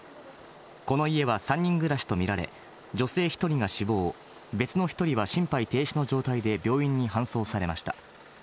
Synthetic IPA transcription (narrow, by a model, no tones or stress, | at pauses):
ko̞no̞ie̞β̞asãɲ̟ːĩŋɡɯ̟ɾaɕi̥t̪o̞mʲiɾaɾe̞̰ | d͡ʑo̞se̞ːçi̥t̪o̞ɾʲiŋaɕibo̞ː | be̞t͡sɨno̞çʲi̥t̪o̞ɾʲiβaɕĩmpait̪e̞ːɕino̞d͡ʑo̞ːt̪aid̪e̞bʲo̞ːĩɲ̟ːiɦãɰ̃so̞ːsaɾe̞maɕi̥t̪ḁ